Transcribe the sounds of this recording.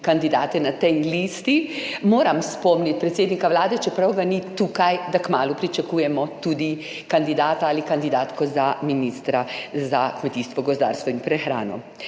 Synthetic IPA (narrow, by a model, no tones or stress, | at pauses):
kand̪id̪aːt̪ɛnat̪ɛjlist̪imoːɾamspɔmnit̪̚pɾɛt̪seːd̪nikaʋlaːd̪ɛt͡ʃɛpɾawɡanit̪uːkajd̪akmaːlupɾit͡ʃakuːjɛmɔt̪ud̪i | kand̪id̪aːt̪aalikand̪id̪aːt̪kɔzaminist̪ɾazakmɛt̪iːst̪ʋɔɡɔzd̪a̰ːɾst̪ʋɔinpɾɛxɾa̰ːnɔ̰